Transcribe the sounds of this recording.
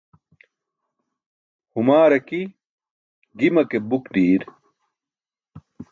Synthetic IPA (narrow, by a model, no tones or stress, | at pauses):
humaːɾɐki | ɡimɐkebukd̪iːɾ